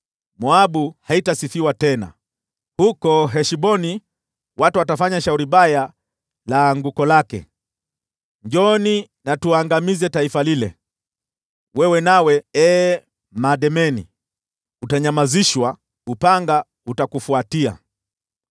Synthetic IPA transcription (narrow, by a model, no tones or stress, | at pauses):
mɔaɓuhaitasifiwatɛna̰ | hukɔɦɛʃibɔni | watuwatafaɲaʃauɾiɓaja | laŋɡukɔlakɛ̰ | ɲd͡ʒɔni | natuaːŋɡamizɛtaifalilɛ̰ | wɛwɛnawɛɛ | maɗɛmɛnḭ | utaɲamaziʃwa | upaŋɡa | utakufuatia̰